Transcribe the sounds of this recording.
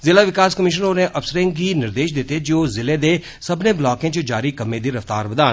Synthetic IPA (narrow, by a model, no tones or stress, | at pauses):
zɪlaːʋɪkaːskəmɪʃ̬ənoːneʔəfsəɾẽŋɡiːnɪɾd̪eːʃd̪ɪt̪ed͡ʒoːzɪleːd̪e | səbneːblɔːkẽːt͡ʃəd͡ʒaːɾiːkəmẽːd̪iːɾəft̪aːɾbəd̪aːn